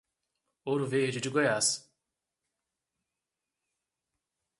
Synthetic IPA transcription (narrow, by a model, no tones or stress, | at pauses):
oɾuveɾd͡ʒɪd͡ʒiɡojas